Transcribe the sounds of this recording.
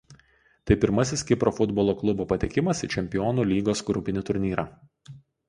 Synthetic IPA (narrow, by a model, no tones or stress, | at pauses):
t̪ɐɪpʲɪɾmɐsʲɪskʲɪpɾoːfʊd̪bɔlˠoːklˠʊboːpɐt̪ʲɪkʲɪmɐsɪt͡ʃʲɛmʲpʲɪjɔːnuːlʲiːɡoːsɡɾʊpʲɪnʲɪt̪ʊɾʲnʲiːɾɑː